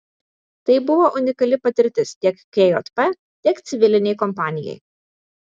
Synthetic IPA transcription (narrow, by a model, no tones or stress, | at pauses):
t̪ɐɪbʊʋoːʔʊnʲɪkɐlʲɪpɐt̪ʲɪɾʲt̪ʲɪst̪ʲiɛkkʲejo̰t̪pɛ | t̪ʲiɛkt̪sʲɪʋʲɪlʲɪnʲɛɪkɔmpɑːnʲɪjɛ̰ɪ